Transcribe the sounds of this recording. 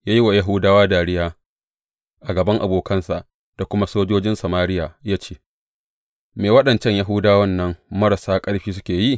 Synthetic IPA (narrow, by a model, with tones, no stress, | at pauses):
jaː˦ji˦wa˨ja˦ɦʊ˦daː˦waː˦daː˨ɽɪ˦jaː˦ | ʔa˨ɡɐ˨bɐ˦ŋʔa̰˨boː˨kɐ˦nsa˨ʔ | d̥a˨kʷʊ˦ma˦soː˦d͡ʒoː˦d͡ʒɪ˦nsɐ˨maː˦ɾɪ˦jaː˨jaː˦t͡ʃeː˦ | meː˨wɐ˦ɗɐ˨nt͡ʃɛ˦ɲja˦ɦʊ˦daː˦wɐ˦˨nːɐ˦ŋmɐ˦ɾa˨saː˦kʼɐ˦ɽɸiː˦s̬ʊ˦kʲeː˨ji˦˨